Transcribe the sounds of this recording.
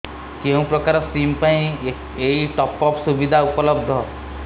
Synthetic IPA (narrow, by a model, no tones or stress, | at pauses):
keũpɾɔkaɾɔsimpaĩ | eiʈɔpɔpsubid̪ʱaupɔlɔbd̪ʱɔ